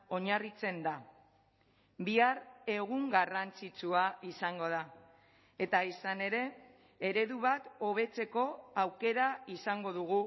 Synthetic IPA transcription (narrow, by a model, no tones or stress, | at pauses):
o̞ɲarit͡se̞nd̪a | biare̞ɣuŋɡarant͡sit͡suaisaŋɡo̞ð̞a | e̞t̪aisane̞ɾe̞ː | ɾe̞ðuβat̪o̞β̞e̞t͡se̞ko̞awke̞ɾaisaŋɡo̞ð̞uɣ̞u